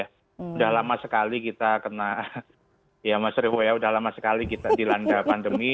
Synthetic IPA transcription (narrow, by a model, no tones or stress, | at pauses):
a | udahlamasəkalikit̪akəna | jamasɾifojaudahlamasəkalikit̪adilandapandəmi